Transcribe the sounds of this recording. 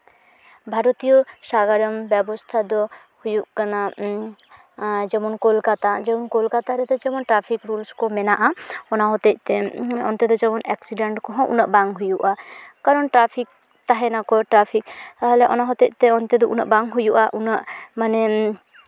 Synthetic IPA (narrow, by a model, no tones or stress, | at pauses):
bʱaɾɔt̪ijɔsaɡaɾɔmbɛbɔst̪ʰad̪ɔ | hujuʔkana | d͡ʒɛmɔnkɔlkat̪ad͡ʒɛmɔnkɔlkat̪aɾɛt̪ɛd͡ʒɛmɔnʈɾapʰikɾulskɔmɛnaʔaɔnaɦɔt̪ɛc̚t̪ɛɔ̰nt̪ɛd̪ɔd͡ʒɛmɔnɛksiɖɛɳʈkɔɦɔ̃ʔṵnaʔbaŋɦujuʔakaɾɔnʈɾapʰik̚ | t̪aɦɛnakɔʈɾapʰik̚t̪aɦɛlɛʔɔnaɦɔt̪ɛc̚t̪ɛɔnt̪ɛd̪ɔʔṵna̰ʔbaŋɦujuʔaʔunaʔmanɛ